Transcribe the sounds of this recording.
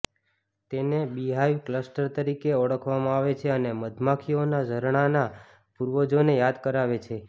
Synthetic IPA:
t̪enebiɦajʋkləsʈəɾt̪əɾikeəɽəkʰʋamãaʋet͡ʃʰeəneməd̪ʱmakʰionad͡ʒʱəɾɳ̃ana | puɾʋod͡ʒonejad̪kəɾaʋet͡ʃʰe

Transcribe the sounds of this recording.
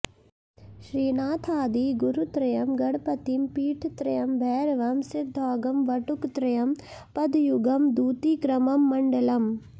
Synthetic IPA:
ʃɾiːnaːt̪ʰaːd̪iːɡuɾut̪ɾɐjɐmɡɐɽpɐt̪impiːʈʰt̪ɾɐjɐmbʱɛːɾʋɐmsɪd̪ʱːɔːɡɐmʋɐʈukt̪ɾɐjɐm | pɐd̪juɡɐmd̪uːt̪iːkɾɐmɐmːɐɳɖɐlɐm

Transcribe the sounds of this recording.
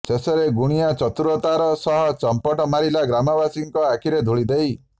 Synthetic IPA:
seseɾeɡuɽ̃ijat͡ʃɔt̪uɾuɔt̪aɾɔsɔɦɔt͡ʃɔmpɔʈɔmaɾilaɡɾamɔbasiŋkɔakʰiɾed̪ʱuɭid̪ej

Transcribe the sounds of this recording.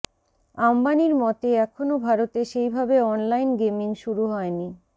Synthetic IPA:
ambaniɾmɔt̪eɛkʰonobʱaɾot̪eʃejbʱabeɔnlajnɡemiŋʃuɾuɦɔeni

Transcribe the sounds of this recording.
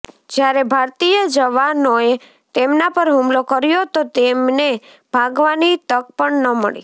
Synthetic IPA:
d͡ʒjaɾebʱaɾt̪ijəd͡ʒəʋanoe | t̪emnapəɾɦumlokəɾjot̪ot̪emne | b̥ʱaɡʋanit̪ək̚pəɳnəmə̰ɭḭ

